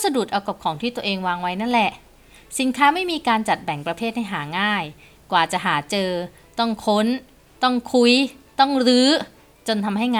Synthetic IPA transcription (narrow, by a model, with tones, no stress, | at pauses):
sa˧du˨˩t̪̚ʔa˧wka˨˩p̚kʰɔː˩˦ŋt̪ʰiː˥˩t̪u˧ɐʔeː˧ŋwaː˧ŋwa˦˥jna˥˩n˨lɛ˨˩ʔ | si˨˩˦nkʰaː˦˥ma˥˩jmiː˧kaː˧nt͡ɕa˨˩t̪̚bɛ˨˩˦ŋpɾa˧pʰeː˥˩t̪̚ha˥˩jɦaː˩˦ŋaː˥˩j | kwaː˨˩t͡ɕa˨˩ɦaː˩˦t͡ɕɤː˧ | t̪ɔ˥˩ŋkʰo˦˥n | t̪ɔ˥˩ŋkʰu˧jt̪ɔ˥˩ŋɾɯː˦˥ | t͡ɕo˧nt̪ʰa˧mɦa˥˩jŋaː˧